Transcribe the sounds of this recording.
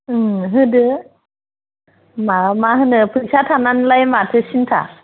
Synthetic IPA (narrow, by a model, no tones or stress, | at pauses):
ɦɯdɯ | mamaɦɯnɯpʰɯk̚satʰananlajmatʰɯsintʰa̰